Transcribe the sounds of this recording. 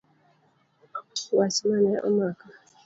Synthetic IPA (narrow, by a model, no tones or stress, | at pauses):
wasimanɛʔɔ̰maka